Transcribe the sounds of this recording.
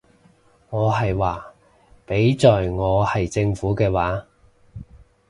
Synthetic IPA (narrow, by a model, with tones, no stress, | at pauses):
ŋɔː˨˧ɦɐ˨jwaː˨ | pe˨˥jt͡ʃɔː˨jŋɔː˨˧hɐ˨jt͡sɪ˧ŋfuː˨˥kɛː˧waː˨˥